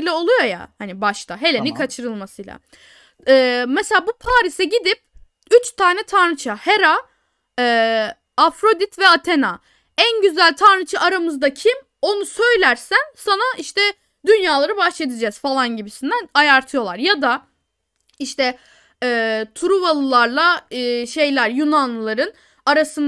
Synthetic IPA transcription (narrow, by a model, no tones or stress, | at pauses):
lʲɛo̞lˠujo̞ja̰hanibaʃt̪ʰaɦe̞lʲenikʰat͡ʃʰɯɾɯlˠmasɯjlˠa̰ | ɛːmɛselʲaːbupʰaːɾisɛɟid̪ip̚ | yt͡ʃt̪ʰaːnɛt̪ʰaɾnɯt͡ʃʰaheɾa | ɛː | fɾo̞d̪it̪vɛat̪ʰena | ænɟyzælʲt̪ʰaɾnɯt͡ʃʰaʔaɾamɯzd̪acʰim | o̞nusø̞jlʲæɾsænsanaiʃt̪ʰɛ | d̪ynjaːlˠaɾɯbaʃled̪id͡ʒɛz̥falˠanɟibisind̪ænajaɾt̪ʰɯjo̞lˠaɾjad̪a | iʃt̪ʰɛ | ɛːt̪ʰuɾuvalˠɯlˠaɾlˠaːʃe̞jlʲæɾjunanlˠɯlˠaɾɯn | aɾasɯn